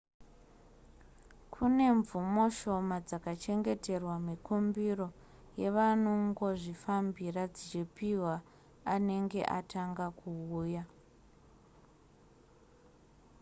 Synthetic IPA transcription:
kʰune̞ɱvumo̞ʃo̞mad͡zakat͡ʃe̞ŋɡe̞te̞rwamikumbiro̞ | je̞ʋanoŋɡo̞ʐifambirad͡zit͡ʃipiwaː | ne̞ŋɡe̞̰ʔataŋɡakuuːja

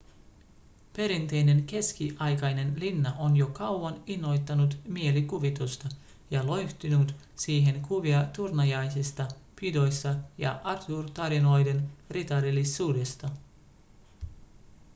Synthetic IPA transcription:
pe̞ɾint̪e̞jne̞nke̞skiʔɑjkɑjne̞nlinːɑʔo̞njo̞kɑwʋɑninːo̞jt̪ːɑnut̪mie̞likuʋit̪ust̪ɑ | jɑlo̞jht̪inut̪ | siːɦe̞nkuʋiɑt̪urnɑjɑjsist̪ɑpido̞jsːɑjɑ̰ʔɑt̪urt̪ɑɾino̞jde̞nrit̪ɑɾilisuːde̞st̪ɑ

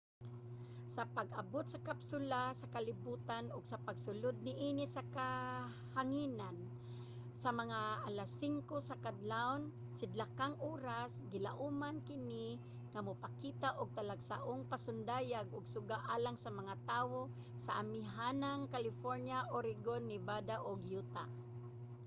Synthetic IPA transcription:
sapaɡʔabʊt̪̚sakapsʊlasakalɪbuːt̪anʊɡsapaɡsʊlʊd̪̚nɪʔiːnɪsaka | haŋinan | samaŋaʔalasːiŋkosakad̪lan | sɪd̪lakaŋʔoːɾasɡɪla̰ʔumankɪnɪ | ŋamʊpakit̪aʔʊɡ̚t̪alaɡsaʔʊŋpasʊnd̪aːjaɡʊɡsʊɡaʔaːlaŋsamaŋat̪aːwo | saʔamɪɦanaŋkalɪfoɾnjaʔoɾɪɡonːɪbad̪aʔʊɡjut̪a

